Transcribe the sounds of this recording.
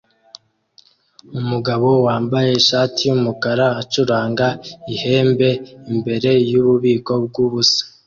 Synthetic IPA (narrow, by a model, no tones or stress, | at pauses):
umuɡaβo̞waːmbaje̞ʃaːtijumukaɾaːt͡ʃuɾaːŋɡaihe̞ːmbe̞imbe̞ɾe̞juβuβiːko̞b̚ɡuβusḁ